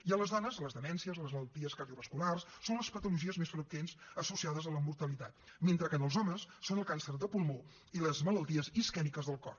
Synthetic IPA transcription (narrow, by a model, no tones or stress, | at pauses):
iələzðɔnəzləzðəmɛnsiəzləzmələlˠt̪iəskərðiuβəskularsːonləspət̪uluʒiəzmesfɾəkwensəsusiaðəzələmuɾt̪əlit̪at̪̚ment̪ɾəkənəlˠzɔməsːonəlˠkansərd̪əpulˠmo | iləzmələlˠt̪iəziskɛnikəzðəlˠkɔ̰r